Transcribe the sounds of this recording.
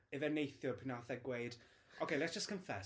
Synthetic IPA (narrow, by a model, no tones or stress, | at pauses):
ɪvɛnejθjɔpʰɪnaθɛɡweɨd̥ | ʔoʊkʰejlɛtsd̥ʒ̥əskʰə̃ɱfɛ